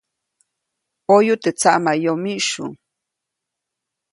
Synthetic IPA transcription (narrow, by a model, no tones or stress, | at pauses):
ojʊt̪et͡saʔmajomiʃʊ̰ŋ